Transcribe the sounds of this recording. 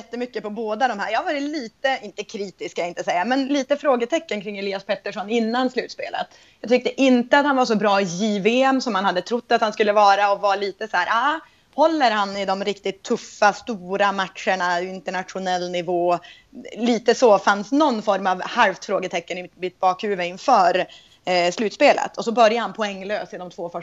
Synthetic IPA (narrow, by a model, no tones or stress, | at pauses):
ɛt̪ːəmʏkːəpɔboːd̪ad̪ɔmhæ̰ːɾjɑːhavɑːɾɪliːt̪əɪnt̪əkʰɾiːt̪ɪskaɪnt̪əsɛjːamɛnliːt̪əfɾoːɡət̪ʰɛkːənkʰɾɪŋːɛlɪːaspʰɛt̪ːəʂɔnɪnːanslʉ̟ːt̪spḛːlə̰t̪ | jɑːt̪ʰʏk̚t̪əʔɪnt̪əat̪hanvaʂɔbɾɑːjiːveɛmːsɔmhanhad̪ːət̪ʰɾʊt̪ːat̪hanskɵlːəvɑːɾaɔvaɭiːt̪əsæːɾʔaː | hɔlːəɾhanɪd̪ɔmɾɪkt̪ɪt̪ʰːɵfːast̪uːɾamat̪ʂəɳaɪɪnt̪əɳat̪ɧʊnɛlːnɪvoː | liːt̪əsɔfansnɔnːfɔɾmavhalft̪fɾoːɡət̪ʰɛkːənɪmɪt̪̚bɑːkʰhʉːvəɪnfœːɾ | slʉːt̪speːlə̰t̪ʰɔsɔbœɾjahanpʰɔɛŋːløːsɪnɔmt̪ʰvoːfœ